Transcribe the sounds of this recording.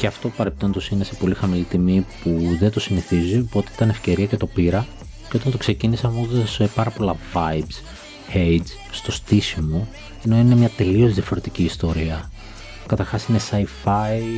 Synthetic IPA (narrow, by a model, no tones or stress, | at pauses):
ceɐft̪opɐɾepi̥t̪o̞nd̪o̞sinesepo̞lixɐmilit̪imipuðe̞nt̪o̞siniθizipot̪eit̪ɐne̞fce̞ɾiɐcet̪o̞piɾɐ | ceo̞t̪ɐnt̪o̞kse̞cinisɐmot̪esepɐɾɐpo̞lɐvɐjbs | hejd͡z | st̪o̞st̪isimo̞ | e̞no̞ine̞mɲɐt̪e̞lio̞zðiɐfo̞ɾe̞t̪iciːst̪o̞ɾiɐ | kɐt̪ɐɾxɐsine̞sɐjfɐi